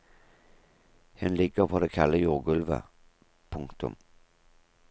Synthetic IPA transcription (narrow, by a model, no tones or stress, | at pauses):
hɛnlɪɡːəʁpʰɔd̪ekʰalːəjuːɡɵlvə̰ | pʰɵŋkt̪ɵ̰m